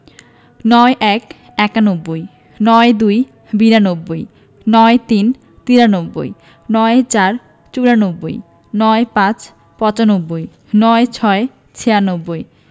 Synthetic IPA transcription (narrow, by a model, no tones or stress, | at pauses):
nɔeʔɛk | ɛkanobːoj | nɔed̪uj | biɾanobːoj | nɔet̪in | t̪iɾanobːo̰j | nɔet͡ɕaɾ | t͡ɕuɾanobːo̰j | nɔepãt͡ɕ | pɔt͡ɕanobːoj | nɔet͡ɕʰɔe | t͡ɕʰeanobːoj